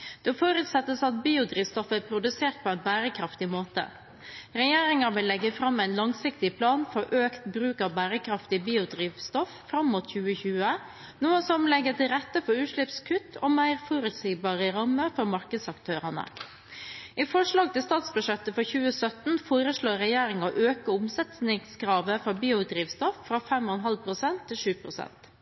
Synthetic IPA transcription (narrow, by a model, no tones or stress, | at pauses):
d̪̥ɛɔfoːɾʉt̪sɛt̪ːəsɑt̪̚biːʊd̪ɾiːʋst̪ɔfæpʰɾʊd̪ʉseːʈ̪̚pʰɔːæɪnbæːɾəkʰɾɑft̪ɪmoːt̪ə̰ | ɾɛjeːɾɪŋɑʋɪlːɛɡːəfɾɑmæɪnlɑŋsɪkt̪ɪpʰlɑːnfɔɾʔøːkt̪bɾʉːkɑʋbæːɾəkʰɾɑft̪ɪbiːʊd̪ɾiːʋst̪ɔffɾɑmːʊt̪çʉːəçʉːə | nuːəsɔmlɛɡːət̪ʰɪlɾɛt̪ːəfɔɾʉːʂɭɪpskʰʉt̪ʰːɔ̰mæɪɾfɔɾʉt̪siːbɑːɾəɾɑmːəfɔɾmɑɾkəd̪sɑkt̪ʰøːɾənə̰ | ʔifɔʂlɑːɡ̚t̪ɪlst̪ɑːt̪sbʉʂɛt̪ːəfɔɾçʉːəsœt̪n̩foːɾəsɭoːɾɛjeːɾɪŋɑʔøːkəʊmsɛt̪snɪŋskɾɑːʋəfɔɾbiːʊd̪ɾiːʋst̪ɔffɾɑfɛmɔnɦɑlpʰɾʊsɛnt̪ʰːɪlʂʉːpʰɾʊsɛ̰nt̪